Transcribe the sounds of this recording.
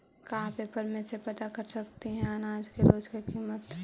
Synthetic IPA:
kaɦãpepəɾmẽsepɐt̪akɐɾsɐkt̪iɦɛ̃ɐnaːd͡ʒkeɾoːd͡ʒkekiːmət̪

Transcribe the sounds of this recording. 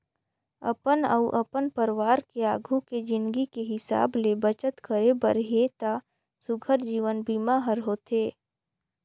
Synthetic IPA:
ə̰pənə̰ʊʔəpənpəɾwaːɾkeaːɡʱuked͡ʒɪ̃nd̪ɡikeɦɪsa̰ːblebət͡ʃət̪kəɾebəɾɦet̪a | sʊɡʱəɾd͡ʒiːʋənbiːmaɦəɾɦoːt̪eː

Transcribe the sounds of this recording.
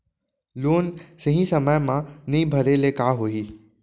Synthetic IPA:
luːnsəɦĩsəməjmãnɐĩbʱɐəɾelekaːɦoiː

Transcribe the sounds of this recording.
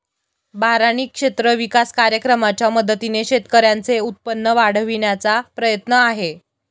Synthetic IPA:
baɾañiːkʂet̪ɾəʋikaskaɾjəkɾəmat͡ɕjaməd̪ʱət̪ineɕet̪kəɾjant͡seut̪̚pənːəʋaɽ̤əʋiɳjat͡sapɾəjət̪nəaɦe

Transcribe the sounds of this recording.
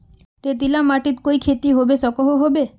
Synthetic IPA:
t̪et̪ilamaʈit̪kojkʰet̪iɦobesɔkɔɦoɦobe

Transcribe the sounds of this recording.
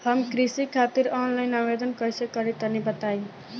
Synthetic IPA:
həmkɾisikʰat̪iɾɔnlajnabed̪ənkʌjsekəɾit̪ənebət̪aj

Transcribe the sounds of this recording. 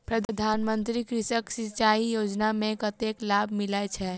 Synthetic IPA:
pɾəd̪d̪ʱaːnmənt̪ɾikɾɪʃəksit͡ʃaijoːd͡ʒnamẽkət̪eklabʱmilajt͡ʃʰɛ

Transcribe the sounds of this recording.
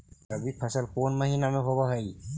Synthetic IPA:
abipʰasəlkonmaɦinamɛɦɔβɔɦɔj

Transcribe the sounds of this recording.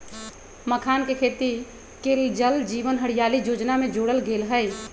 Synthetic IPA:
məkʰaːnkekʰeːt̪i | keːld͡ʒəld͡ʒiːʋənɦəɽ̤ijaːlijoːd͡ʒnamẽd͡ʒoːɽəlɡeːlɦəɪ

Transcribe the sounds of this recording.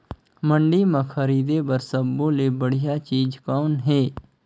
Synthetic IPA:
mə̃ɳɖimãxʰɐɾiːd̪ebɐɾsəbːõlebəɽijat͡ʃiːd͡ʒkɔːnɦɛː

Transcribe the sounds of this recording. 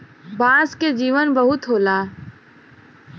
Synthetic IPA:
baːsked͡ʒiːʋənbəɦʊt̪ɦoːlaː

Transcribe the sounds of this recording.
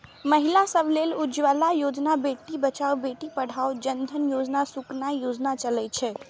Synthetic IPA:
məɦilasəbʱlelud͡ʒʋalajod͡ʒnabeʈibət͡ʃaobeʈipəɽ̤aod͡ʒənd̪ʱənjod͡ʒnasuknajod͡ʒnat͡ʃəlɛt͡ʃʰɛ

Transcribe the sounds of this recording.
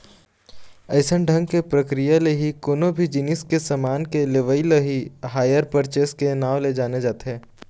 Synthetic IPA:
ɐɪsənɖʱə̃ŋɡkepɾɐkɾijaleɦikoːnobʱid͡ʒɪnɪskesɐmaːnkeleʋəiləɦiɦaːjəɾpəɾt͡ʃeːskenaːʋled͡ʒaːned͡ʒaːt̪ɦɛː

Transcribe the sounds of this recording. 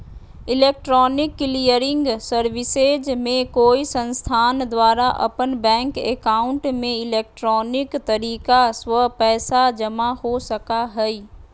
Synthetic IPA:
ɪleːk̚ʈɾɔːnɪkːlijəɾɪ̃ŋɡsəɾʋɪsed͡ʒmẽkoːisɐ̃nst̪ʰaːnd̪waːɾaʔɐ̰pənbɛ̃ːŋkeːkaːʊ̃ɳʈmẽɪleːk̚ʈɾɔːnɪkt̪ɐɾiːkasʋɐpɛːsad͡ʒɐmahosɐkaɦɛiː

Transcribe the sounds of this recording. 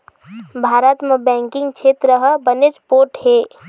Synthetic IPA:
bʱaɾət̪mebɛ̃ŋkiŋɡt͡ʃʰet̪ɾəɦəbəned͡ʒpoɾʈɦe

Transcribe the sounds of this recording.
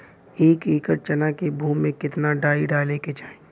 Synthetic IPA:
eːkiːkəɾt͡ʃənakebʱuːmːẽkɪt̪naɖaːiɖaːleːket͡ʃaːẽ

